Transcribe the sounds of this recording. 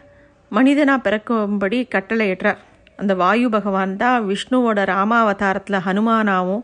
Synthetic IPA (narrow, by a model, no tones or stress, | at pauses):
mɐnɪðɐnaːpɪɾɐkːɯmbɐɽikɐʈːɐlɐjɛʈrɐ | ɐnd̪ɐʋaːjɯbɐɣɐʋaːnt̪ãːʋɪʂɳuoːɽɐɾaːmaːɐʋɐðaːɾɐt̪ːɪlɐɦɐnɯmaːnaːʋʊ̃